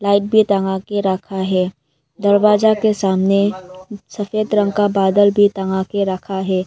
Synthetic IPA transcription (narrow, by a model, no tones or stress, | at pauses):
laːɪʈ̚bʱit̪ɐŋãkeɾəkʰaɦɛː | d̪ɐɾʋaːzakesaːmnesɐfeːd̪ɾə̃ŋɡkabaːd̪əlbʱit̪ɐŋãkeɾɐkʰaɦɛː